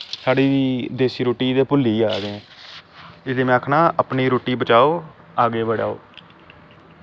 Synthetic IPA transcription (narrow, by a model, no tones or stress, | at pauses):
saːɽiːd̪iːd̪eːsiːɾoːʈiːd̪eːpʊlːiːaːɡeɛ̃ː | ɪseːmɛ̃ːkʰnãːʔəpniːɾoːʈiːbət͡ʃaːoː | aːɡeːbəɽa̰ːo̰ː